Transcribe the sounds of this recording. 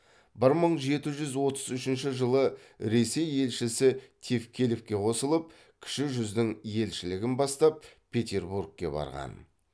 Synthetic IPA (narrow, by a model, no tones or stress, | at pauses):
bɪɾməɴʒe̞t̪ɪʒʏzwo̞t̪əzʏʃɪnʃɪʒəlˠə | ɾe̞se̞je̞lʃɪsɪt̪ʲʰefkʲʰelefkʲe̞qʰo̞səlˠəp̚ | kʲʰɪ̥ʃɪʒʏzd̪ɪŋje̞lʃɪlɪɡʲɪnbɑst̪ɑp̚pʲʰe̞t̪ʲe̞rburɡ̚kʲːe̞̰bɑ̰ɾʁɑ̰n